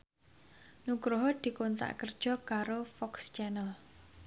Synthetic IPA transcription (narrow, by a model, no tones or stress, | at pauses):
nukɾoɦɔd̪̥i̤kont̪a̰ʔkərd̥ʒ̥ɔ̤kaɾofɔkst͡ʃɛnəl